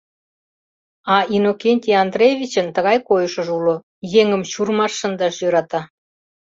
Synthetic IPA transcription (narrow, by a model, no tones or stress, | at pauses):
ɑʔinokʲenʲtʲiɑnd̪rejvʲit͡ɕənt̪əɣɑjkojəʃəʒulo | jeŋəmɕurmɑʃːənd̪ɑʃjøɾɑt̪ɑ